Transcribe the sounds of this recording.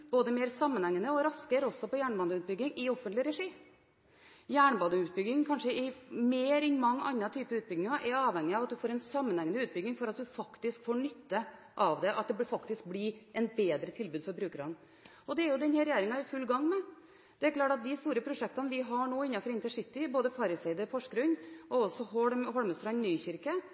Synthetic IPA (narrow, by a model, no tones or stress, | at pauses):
b̥oːd̪əmeːɾsɑmːənhɛŋːənəɔɾɑskəɾɔsːɔpɔjæːɳbɑnd̪əʉːt̪̚bʏɡːɪŋɪɔfːənt̪lɪɾɛʂiː | jæːɳbɑnd̪əʉːt̪̚bʏɡɪŋkʰɑnʂəʔɪmeːɾɪnmɑŋːɑ̰nːɑt̪ʰyːpəɾʉːt̪bʏɡnɪŋɑʔɛɾɑːʋhɛŋːɪɑʋɑt̪̚d̪ʉfoːɾɛnsɑmːənhɛŋnəʉːt̪̚bʏɡ̪ːɪŋfɔɾɑt̪̚d̪ʉfɑkt̪ɪskfoːɳʏt̪ʰːə | ʔɑʋd̪ɛʔɑt̪̚d̪ɛbfɑkt̪ɪsk̚blɪʔɛnbeːd̪ɾət̪ʰɪlbʉːd̪fɔɾbɾʉːkəɾɑn | ɔd̪ɛæɾjʊd̪ɛnhɛːɾɛjeːɾɪŋɑɪfʉlːɡɑŋːmɛ | d̪̥ɛæɾkʰlɑːʈɑt̪̚d̪ɪst̪uːɾəpʰɾʊʂɛk̚t̪ɑnəʋɪɦɑɳoːɪnːɑfɔɾɪnt̪əʂɪt̪ːɪboːd̪əfɑɾɪsɛɪd̪əɾfɔʂkəɾʉnːɔɔsɔɦɔɽmɦɔɽməst̪ɾɑnnyːçɪɾkə